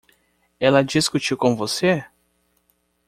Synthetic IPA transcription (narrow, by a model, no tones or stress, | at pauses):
ɛlɐd͡ʒiskut͡ʃiwkõvose